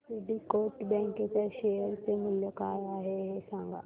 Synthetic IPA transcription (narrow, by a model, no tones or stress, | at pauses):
eɖikoʈbɛ̃ŋket͡ɕaɕejəɾt͡semɪljokajaɦeɦesãŋɡa̰